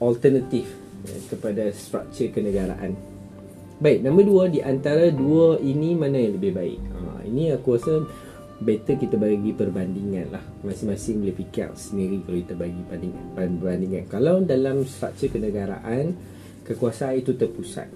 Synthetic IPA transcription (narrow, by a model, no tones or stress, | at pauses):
ʔɔlt̪ənat̪if | a̰kəpadast̪ɾa̰k̚t͡ʃərkənə̃ɡaɾa̰ʔan | baɪk̚nãmbəduədiʔant̪aɾaduəʔinimanãjãləbɪhbaɪ̰k̚ə̰ḭniakuasə | bet̪əkit̪abaɡipərbandiŋanlah | mãsɪŋmasɪŋbəlɪhpikia̰ʔsəniɾikəlokit̪əbaɡibandiŋbbərbandiŋankalawdalamst̪ɾa̰k̚t͡ʃərkənə̃ɡaɾa̰ʔan | kəkuasaʔanit̪ut̪ərpusa̰t̪̚